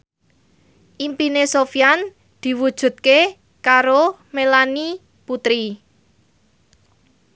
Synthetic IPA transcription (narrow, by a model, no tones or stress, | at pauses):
ʔimpinesofjan | d̪̥i̤wud̥ʒ̥ṳt̪̚ke | kaɾomelani | put̪ɾi